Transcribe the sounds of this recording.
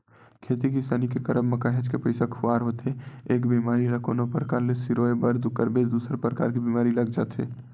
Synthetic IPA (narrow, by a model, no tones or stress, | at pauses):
kʰeːt̪ikisaːnikekəɾəbmɐkaːɦed͡ʒkepəɪsakʰʊʋaːɾɦoːt̪eeːkbiːmaːɾiɾəkʰo̰ːnõpəɾkaːɾlesiɾoebəɾd̪ukəɾbed̪uːsɾpɾəka̰ːɾk̬ibiːmaːɾilɐɡd͡ʒa̰ːt̪ɦḛː